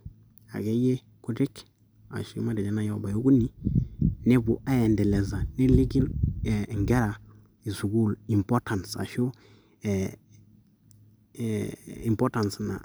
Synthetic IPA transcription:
a̰˨ɡe˦je˦ | ku˦di˦k | a̰˨ʃi˦ma˦dɛ˨d͡ʒɛ˦na˦ja˦ba˨jo˦ɡu˦ni˦ | ne˦bu˨ʔa˦jɛ˨ndɛ˨lɛ˨za˨ne˦li˦ɡi˦n˨ŋɡɛ˦ɾa˨ | i˨su˨ɡu˦˨li˨mpɔ˦ta˨nsa̰˨ʃu˦ | i˨mpɔ˦ta˨nsna̰˨

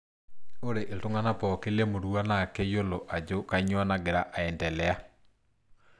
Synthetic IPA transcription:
o˦ɾe˨ʔe˨tʊ˦ŋa˦na˦pɔ˨ke˦le˦mo˨ɾu˦a˦na˦˨kɛ˦jo˦lo˨ʔa˨d͡ʒo˦ka˦ɲwɔ˦na˦ɡe˨ɾa˦ʔa˨ɛ˨ndɛ˨lɛ˦a˦

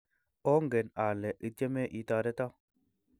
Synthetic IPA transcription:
o˦ŋɡe˨na˨lɛ˨ʔɨ˨te˦me˦ʔi˨ta˨ɾe˦ta˦

